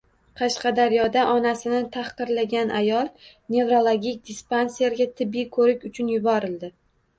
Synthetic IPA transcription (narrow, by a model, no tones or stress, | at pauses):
qʰɑʃqɑd̪aɾjɒd̪aʔɒnasɪnɪt̪ʰahqɨɾlaɡʲanʔajɒlˠ | ne̞vɾolˠoɡʲik̚ʲd̪ʲɪspansijaɾɡʲat̪ʰɪbːijkʰɵɾɪkʲʊt͡ʃʰʊnjʊbɒɾɪld̪ɪ